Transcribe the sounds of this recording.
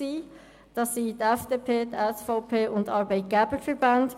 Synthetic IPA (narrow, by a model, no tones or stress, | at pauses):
iː | d̥ɑsːiːdɛfd̥eːpʰeːdɛsfaʊpʰeːʊndɑɾbɛɪt̚ɡ̥ɛːbəfɛɹbɑnd